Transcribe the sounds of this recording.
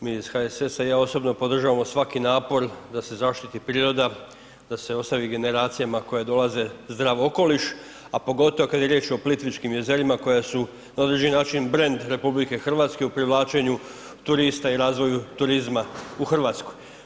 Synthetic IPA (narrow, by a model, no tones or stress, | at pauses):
miːz̥xaesesajao̞so̞bno̞po̞d̪r̩ʒaʋamo̞sʋakinaːpo̞ɾd̪ase̞zaʃt̪it̪ipɾiːɾo̞d̪a | d̪ase̞o̞st̪aʋiɡe̞ne̞ɾaːt̪sijamako̞jed̪o̞laze̞zd̪ɾaːʋo̞ko̞liʃ | apo̞ɡo̞t̪oʋokad̪je̞ɾje̞t͡ʃo̞plit̪ʋit͡ʃkimje̞ze̞ɾimako̞jasu | nao̞d̪ɾed͡ʑeinaːt͡ʃinbɾe̞nd̪ɾe̞publike̞xr̩ʋaːt̪ske̞upɾiʋlˠaːt͡ʃe̞ɲu | t̪uɾist̪aiɾaːzʋo̞jut̪uɾizmauxr̩ʋaːt̪skoj